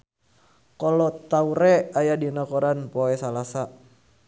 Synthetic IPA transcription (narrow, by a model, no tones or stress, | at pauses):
kolɔt̪auɾɛajadinakoɾanpoɛsalasa